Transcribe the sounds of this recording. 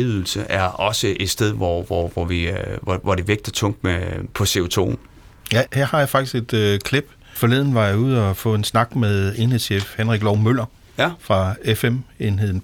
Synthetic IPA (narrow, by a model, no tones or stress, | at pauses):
yð̰ˠl̩səʔæɐɒ̽səʔe̝d̥sd̥eðˠʋɒʋɒʋɒʋiɒʋɒd̥e̝ʋeɡ̥̚d̥ɐt͡sʰɔ̽ŋ̰d̥mepʰɒ̽se̝o̝t͡sʰo̝̰ːn | jæheɐhɑ̈jɑ̈fɑ̥isɡ̥e̝d̥kʰleb̥ | fɒ̽le̝ðˠn̩ʋɑ̈jɑ̈ɪuð̰ˠɒ̽fɔ̰̽ːe̝nsnɑ̈ɡ̥meðˠe̝nhe̝ð̰ˠsefhenʁiɡ̥lɒʊmøl̰ɐ | fʁɑ̈efeme̝nɦe̝ðˠn̩